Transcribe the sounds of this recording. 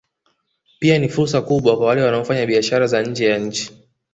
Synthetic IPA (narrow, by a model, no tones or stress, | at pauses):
pianifuɾsakuɓwakwawalɛwanaɔfaɲaɓiaʃaɾazaɲ̩d͡ʒɛjaɲ̩t͡ʃi̥